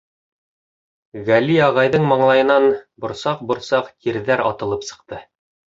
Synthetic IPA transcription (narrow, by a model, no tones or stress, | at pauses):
ɣæliɑʁɑjðɤɴmɑɴlˠɑjɤ̆nɑnbŏɾsɑq̚bŏɾsɑqt̪iɾðæɾɑt̪ɤ̆lˠɤpsɤ̥̆q̚t̪ɤ